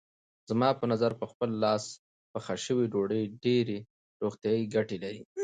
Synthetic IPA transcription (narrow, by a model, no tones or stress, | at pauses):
z̥mɑpənazaɾpəxpəlːɑs | pəxaʃəwiɖoɽəjɖeɾe | ɾoɣt̪jɑiɡaʈelaɾi